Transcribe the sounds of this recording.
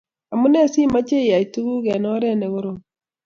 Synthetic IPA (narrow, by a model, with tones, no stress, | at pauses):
a˨mu˦nɛ˦si˦ma˦t͡ʃe˦i˨a˨i˨tu˦ɣu˦ɣɛ˨nɔ˦ɾɛ˦nɛ˨ɣo˦ɾo˨